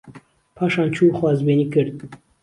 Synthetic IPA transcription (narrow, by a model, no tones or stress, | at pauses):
pʰɑːʃɑːnt͡ʃʰuːxwɑːzbeːniːkɨɾd̪̚